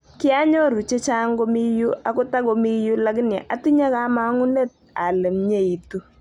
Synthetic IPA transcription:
kɪ˦a˦ɲo˦ɾu˨t͡ʃe˦t͡ʃa˦ŋɡo˦mi˦ju˦ʔa˨ko˦ta˦ko˨mi˦ju˦la˦k̬ɪ˦nja̰˨ʔa˨ti˦ɲa˦ka˦ma˦ŋu˦ne˦˨t̚ | a˨le˨mɲe˦˨i˨tu˦

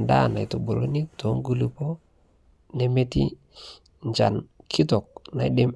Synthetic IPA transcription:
nda̰˦˨na˨jto˨bo˨lo˦ni˦k̚to˨˦ŋɡu˨li˨po˦ | ne˦me˦tḭ˦ | ɲd͡ʒa̰˨nkʰi˦tɔ˨k̚na̰˨˦dɪ˦m

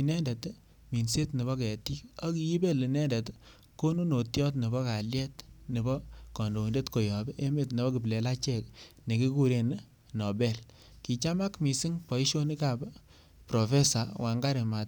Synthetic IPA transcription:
i˨nɛ˦ndɛ˨t | mi˨nse˦tni˨βɔ˦kɛ˨ti˦ɔ˦ki˦ji˦bɛ˦lːi˨nɛ˦nde˨t | ko˦nu˦no˨tjɔ˦t̬ni˨bɔ˦ka˨ljɛ˦tni˨bɔ˦kɔ˨ndo˨nde˦tko˨jɔ˨bɛ˦ʔe˦me˨tni˨bɔ˦ki˨blɛ˨la˦t͡ʃɛ˦˨kne˨ki˦ku˦ɾe˨n | nɔ˨bɛ˦˨l | ki˨t͡ʃa˦ma˦kmi˨si˦ŋpɔ˨i˦ʃo˦ni˦ka˨b | pɾɔ˨fe˦sa˨wa˨ŋɡa˦ɾe˨ma˨t

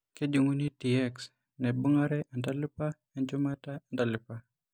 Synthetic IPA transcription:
ke˦d͡ʒu˨ŋuni˦tiɛks | nɛ˨bu˦ŋaɾɛʔa˨nda˦lupa˦ | a˨nd͡ʒumataa˨nda˨lupa

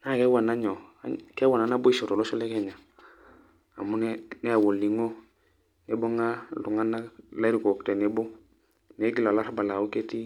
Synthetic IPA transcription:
na˦˨kɛ˦wa˨na˦ɲɔ˨a˦kɛ˦wa˨na˨˦na˦bu˦i˦ʃo˨to˨lo˦ʃo˦lɛ˦kɛ˦˨ɲa˨ | a̰˨mu˦nnɛ˦a˨wo˨li˨ŋo˦ | ne˦bo˦ŋa˦lu˨ŋa˦na˦la˦ɾi˨ko˨ktɛ˨ne˦bo˦ | ne˨˦ɡi˨la˨la˦ɾa˦ba˨la˨u˦ke˦ti˦

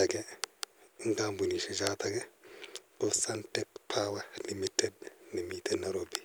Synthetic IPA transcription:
aɡe˦ | ŋɡambu˨ni˨ʃi˨d͡ʒat̪a˦ɡɛ˦ | osa˦nte˦kpʰa˦wa˨li˨mi˨tːe˦dni˨mi˨t̪ena˨ɾobi̥

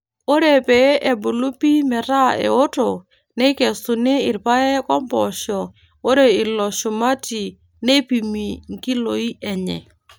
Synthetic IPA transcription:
o˦ɾe˨pe˨˦ʔe˨bu˨lu˦pi˦mɛ˨ɾa˦ḛ˨o˦to˨ | ne˦ke˨su˨nɪ˦ɪ˨ɾpa˦ɛ˦kɔ˦mbɔ˨ʃɔ˨ | o˦ɾe˨ɪ˨lɔ˨ʃʊ˨ma˦ti˨ | ne˦pi˨mi˨ŋki˦lo˨i˦ʔɛ˨ɲɛ̰˨

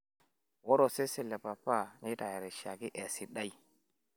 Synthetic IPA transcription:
wɔ˦ɾɔ˨se˦sɛ˨lːe˨pa˨pːa˦˨ni˦ta˨ja˨ɾɛ˨ʃa̰˨ɡi˦ʔe˨si˨ɗa˦j

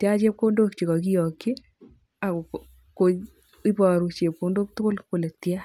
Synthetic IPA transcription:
tja˦t͡ʃe˦p̚ko˦ndo˦kt͡ʃi˨kɔ˨ki˦jɔ˨kːi˦ | a˨ko˨ | ko˦ | i˦pɔ˨ɾu˧t͡ʃe˨p̚ko˦ndo˦k̚tʊ˦kʊ˦lko˨le˨tja˦

